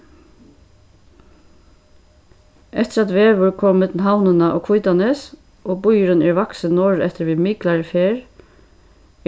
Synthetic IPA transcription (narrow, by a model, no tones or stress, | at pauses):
ʔɛt̪əɾɑt̪ʋeːʋʊɹkʰɔmmɛt̪ln̩ɦawnənəʔɔ̰ːkʰʋʊjt̪ɑnəs | ʔoːbʊjɾənɛːɹʋɑksənɔːɹɛt̪əɾʋiːmɪklɑɹəfeːɹ